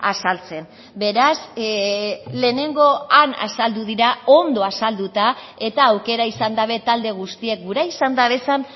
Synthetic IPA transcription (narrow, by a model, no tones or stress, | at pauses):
asalt͡se̞n | be̞ɾas | le̞ːne̞ŋɡo̞ana̰sald̪uðiɾao̞nd̪o̞asald̪ut̪a | e̞t̪aːwke̞ɾaisand̪aβ̞e̞t̪ald̪e̞ɣ̞ust̪ie̞k̚ɡuɾaisand̪aβe̞san